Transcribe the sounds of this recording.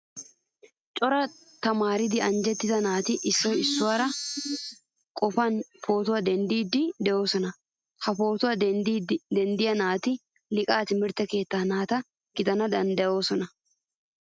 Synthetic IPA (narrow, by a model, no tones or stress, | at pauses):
t͡ʃʼɔɾɐ | t̪ɐmaːɾɪd̪ɪɐnd͡ʒɛt̪ːɪzɐnaːt̪ɪʔɪsːɔjɪsːʊwaːɾɐ | kʼɔfɐnfo̞ːt̪ʊwaːd̪ɛnd̪iːd̪ːɪd̪ɛʔo̞ːsɔnɐ | hɐpo̞ːt̪ʊwaː | d̪ɛnd̪ɪjɐnaːt̪ɪ | lɪkʼaːt̪ɪmɪɾt̪ːɛke̞ːt̪ːaːnaːt̪ɐ | ɡ̥ɪd̪ɐnɐd̪ɐnd̪ɐjo̞ːsɔnɐ